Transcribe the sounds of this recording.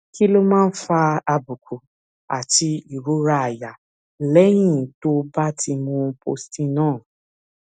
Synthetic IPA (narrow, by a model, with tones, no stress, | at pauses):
ki˦lo˦mãː˦˧n̩˦fa˧a˧bu˨kʰu˨ | a˨ti˧i˨ɾu˨˦ɾa˧a˨ja˨ | lɛ˦j̃ĩ˦˨to˦ba˦ti˧mũ˧po̰˧stĩ˦nãː˦˨